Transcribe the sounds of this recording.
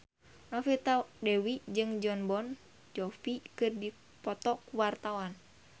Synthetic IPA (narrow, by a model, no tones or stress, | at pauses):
nɔfit̪adɛwid͡ʒɨŋd͡ʒɔnbɔn | d͡ʒɔfikɨrdi | pɔt̪ɔkuwart̪awan